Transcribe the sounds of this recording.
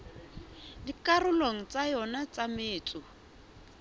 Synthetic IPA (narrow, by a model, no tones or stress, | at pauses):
dikarʊloŋ̩t͡sʼajɔnat͡sʼameːt͡sʼʊ